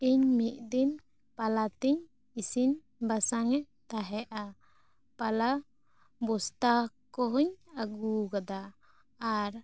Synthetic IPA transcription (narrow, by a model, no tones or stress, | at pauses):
iɲmiʔ̪̚d̪in | palat̪iɲ | isiɲ | basaŋɛʔ | t̪aɦɛʔa | pala | bɔst̪akɔɦuɲaɡuɡad̪aː | ɾ